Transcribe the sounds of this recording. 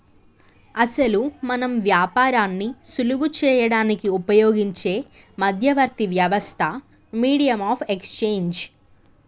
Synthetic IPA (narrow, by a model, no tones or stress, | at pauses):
ɐsɐlumɐnɐmʋjaːpaːɾaːnːisuluʋut͡ʃɛːjɐɽaːnikiupɐjoːɡiɲt͡ʃe̞ː | mɐd̪ʱjɐʋɐɾt̪iʋjɐʋɐst̪ʰɐ | miːɽijɐmaːpʰekst͡ʃeːɲd͡ʒ